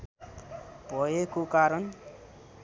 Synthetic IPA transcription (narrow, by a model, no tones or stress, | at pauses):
bʱʌekokaɾʌn